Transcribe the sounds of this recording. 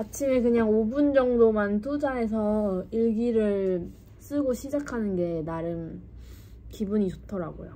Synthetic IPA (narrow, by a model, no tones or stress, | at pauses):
kat͡ɕʰimekɯɲaŋobund͡ʑʌŋdomant̬ud͡ʑae̞s̬ʰʌiɭɡiɾɯɭ | s͈ɯɡoɕʰid͡ʑakʰanɯnɡe̞naɾɯn | kibuɲit͡ɕotʰʌɾa̰ɡo̰jo̰